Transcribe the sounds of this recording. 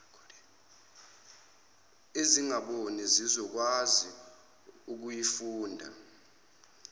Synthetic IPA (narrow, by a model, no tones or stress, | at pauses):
eziŋaɓonizizɔk̬wazi | uk̬ujifuːndʱa̰